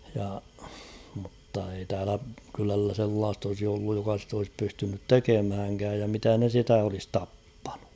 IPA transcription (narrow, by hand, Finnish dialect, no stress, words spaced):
jɑ mutːɑ ei tæːlæ kylælːæ selːɑːst olsi olːuj jokɑ sit olis pystynyt tekemhæŋkæːj jɑ mitæ ne sitæ olis tɑpːɑ̥n̥u̥